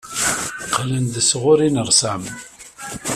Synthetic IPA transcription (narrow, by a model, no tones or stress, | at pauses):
qlənd̪əsʁʊɾinəɾsæm